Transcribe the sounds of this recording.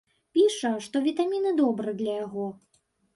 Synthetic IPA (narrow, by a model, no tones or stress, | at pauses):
pʲiʂɐʂt̪ɔvʲit̪amʲinɨd̪ɔbɾɨd̪lʲɐjaɣɔ